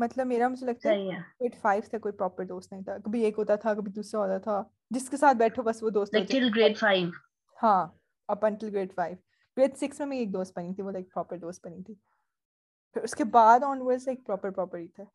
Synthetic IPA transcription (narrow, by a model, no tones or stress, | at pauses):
mɐt̪ləbmeːɾamʊd͡ʒʱelɐɡ̚t̪aɛiɛɡɾeːɖfaːɪʋt̪ʰekoːipɾɔːpəɾd̪oːsʈnɐɦĩt̪ʰakɐbʱieːkɦoːt̪at̪ʰakɐbʱid̪uːsɾaɦoːt̪at̪ʰa | d͡ʒɪskesaːt̪̚ʰbɛːʈʰobɐsʋod̪oːstɛɪlɡɾeːɖfaːɪʋ | hãː | ɐpɐ̃ɳʈəlɡɾeːɖfaːɪʋ | ɡɾeːɖsɪksmẽmɛ̃eːk̚d̪oːstʈ̚pɐnit̪ʰiʋolaɪk̚pɾɔːpəɾd̪oːsʈ̚pɐnĩt̪ʰiː | pʰɪɾʊskebaːd̪ɔ̃ːnʋəɾzeːk̚pɾɔːpəɾpɾɔːpəɾʈit̪ʰɛː